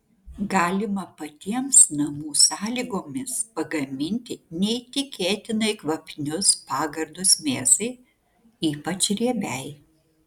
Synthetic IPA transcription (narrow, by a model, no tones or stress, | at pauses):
ɡɑːlʲɪmɐpɐt̪ʲiɛmsnɐmuːsɑːlʲiːɡoːmʲɪspɐɡɐmʲɪnʲt̪ʲɪnʲɛɪt̪ʲɪkʲeːt̪ʲɪnɐɪkʋɐpʲnʲʊspɑːɡɐɾd̪ʊsmʲeːsɐɪ | iːpɐt͡ʃɾʲiɛbʲɛɪ